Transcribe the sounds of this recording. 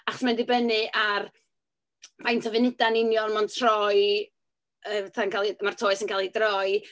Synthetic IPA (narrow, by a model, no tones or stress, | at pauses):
aχɔ̥smɛndɪbənɨʔar | b̥ajntʰəvɨnɪdanɪnjɔnmɔntʰr̥ɔj | ətʰankʰalˠimartʰoːɨsənkʰalˠidrɔj